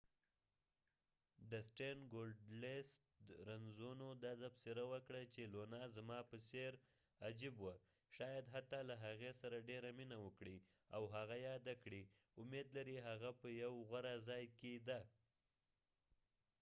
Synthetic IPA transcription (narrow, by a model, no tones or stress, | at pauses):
d̪əsʈenɡolɖlest̪ɾanzonod̪ɑt̪apsɪɾawəkɽat͡ʃelonɑzamɑpəseɾ | ad͡ʒibwa | ʃɑjad̪ɦat̪ɑlaɦaɣesaɾaɖeɾaminawəkɽi | awɦaɣajɑd̪akɽi | ʊmed̪laɾiɦaɣapəjawɣaɾazɑjked̪a